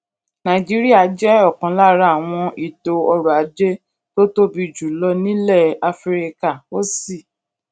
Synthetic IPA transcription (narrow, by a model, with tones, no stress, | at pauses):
nã˨d͡ʒi˨˦ɾi˦a˦˨d͡ʒɛ˦ɔ˦˨kɔ̃˨˦la˦˨ɾa˦˨a˨w̃ɔ̃˧i˦˨to˧ɔ˧ɾu˨a˨˦d͡ʒe˦ | to˦to˦bi˧˨d͡ʒu˨lɔ˧nĩ˦lɛ˦˨a˧fɾi˧ka˦˨o˦si˦˨